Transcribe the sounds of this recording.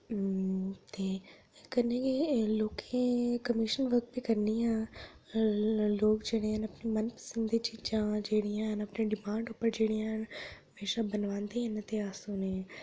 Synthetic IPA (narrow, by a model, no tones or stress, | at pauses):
t̪eː | kɐnẽkeloːkʰẽkɐmɪʃənʋəɾ̚bʱikɐɾniã | loːkd͡ʒeːɽ̃eɦənɐpnimɐnpə̥sə̃nd̪it͡ʃiːd͡ʒãd͡ʒeːɽiãɦnɐpneɖɪmãːɳɖuːpəɾd͡ʒeːɽijãɦnɦɐmeːʃabɐnʋãːnd̪eɦənt̪eaːsuːnẽ